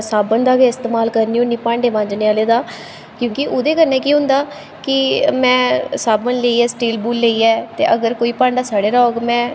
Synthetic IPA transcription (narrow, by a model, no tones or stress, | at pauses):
saːbənd̪aːʋeːɪst̪eːmaːlkəɾniːonːiːpãːɳɖeːʋãːɲd͡ʒneːaːleːd̪aː | kjõːkɪʔoːd̪eːkəɾnɛ̃ːkiːɦʊ̃nd̪aː | kɪmɛ̃ːsaːbənleːiːɛːsʈiːlbuːlːeiːɛːt̪ḛːʔəɡəɾkoːiːpãːɳɖaːsaːɽeːɾɔːɡmɛ̃ː